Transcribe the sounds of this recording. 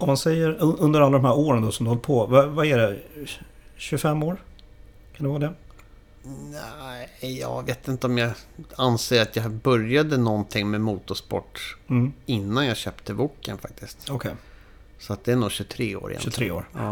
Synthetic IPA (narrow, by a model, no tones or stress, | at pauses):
ɔmansɛjːəɾɵɵnd̪əɾalːad̪ɔmhæːɾoːɾənd̪ɔsɔmd̪ɵhɔlːɾpʰɔvavaæɖɛ | ɕɵfɛmːoːɾ | kʰand̪ɛvɑːɾd̪ɛ | næjɑ̰ːveːt̪ɪnt̪əɔmjɑanseːɾat̪jɑbœɾjad̪ənɔnt̪ʰɪŋːmɛmuːt̪ʊʂpɔ̰ʈ̩ː | ɪnːanjaɕœːpt̪ʰəvuːkːə̰nfa̰k̚t̪ɪst̪ɔkʰɛj | sɔat̪̚d̪ɛæɳuːɕɵt̪ʰɾeːo̰ːɾɪ̰ɛ̰ɾeːo̰ːɾɑ̰ː